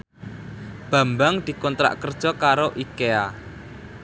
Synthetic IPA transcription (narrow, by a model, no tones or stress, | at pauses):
b̥ä̤mbaŋd̪̥i̤kɔnt̪ɾa̰ʔkərd̥ʒ̥ɔ̤kaɾoʔikea